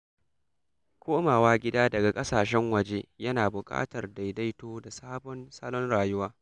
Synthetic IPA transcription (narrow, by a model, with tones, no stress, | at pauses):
kʷoː˦maː˨waː˦ɡʲɪ˦daː˦dɐ˨ɡa˨kʼɐ˦saː˨ʃɛ˦ŋwɐ˨d͡ʒe˦jɐ˦naː˨bʊ˨kʼa̰ː˦tɐ˨rda˨jda˦jtoː˦da˨saː˦bɔ˦nsa˦lɔ˦nɽaː˨jʊ˦waː˦